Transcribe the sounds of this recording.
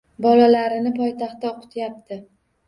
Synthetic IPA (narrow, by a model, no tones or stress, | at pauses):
bɒlalaɾɪnɪpʰɒjt̪ʰɑχt̪ːaoqʰɨ̥t̪ʰjap̚t̪ʰɪ